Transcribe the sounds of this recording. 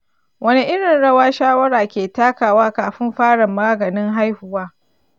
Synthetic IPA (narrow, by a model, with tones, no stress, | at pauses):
wɐ˦ni˦ʔɪ˦ɽɪ˨nɽɐ˦waː˦ʃaː˦wɐ˦ɽaː˨kʲeː˨taː˦kaː˨waː˦kaː˨ɸɪ˦mɸaː˦ɽɐ˨mːaː˦ɡɐ˨nɪ˦ŋɦa˦jhʊ˨waː˦